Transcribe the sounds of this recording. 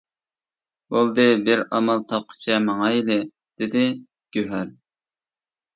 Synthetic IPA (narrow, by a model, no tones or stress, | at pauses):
bolˠd̪ɨbɪɾɑmɑlˠt̪ʰɑp̚qʰə̥t͡ʃʰɛmɑŋɑilɪ | d̪̥ɪd̪ɪ | ɡ̥ʲøɦæɾ